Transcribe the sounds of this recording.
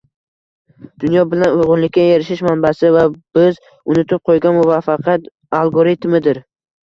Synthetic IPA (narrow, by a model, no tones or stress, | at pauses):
d̪̥ʊnjɒbɪlanʊjʁʊnlɪkʲːajeɾɪʃɪʃmanbasɪvab̥ɪz | ʊnɪt̪ʰɪp̚qʰojɡʲanmʊvafɑqʰjat̪ | alˠɡoɾit̪mɪd̪ɪɾ